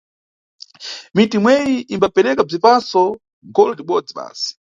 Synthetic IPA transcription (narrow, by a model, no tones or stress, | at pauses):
mitimwɛjiʔimbapɛɾɛkab͡ʐipasɔ | ɡɔlɔtiɓɔd͡ziɓa̰ːsi̥